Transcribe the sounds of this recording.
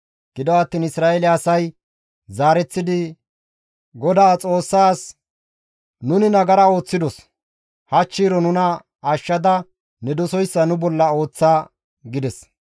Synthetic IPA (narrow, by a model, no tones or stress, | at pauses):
ɡ̥ɪd̪ɔɐt̪ːiːnɪsɾaːɛlɪɐsɐj | zaːɾɛt͡sːɪd̪ɪ | ɡɔd̪aːt͡sʼo̞ːsːaːs | nʊnɪnɐɡɐɾɐo̞ːt͡sːɪd̪ɔs | hɐt͡ʃːiːɾɔnʊnɐ | ɐʃːɐd̪ɐ | nɛd̪ɔsɔjsːɐnʊbɔlːɐo̞ːt͡sːaː | ɡɪd̪ɛs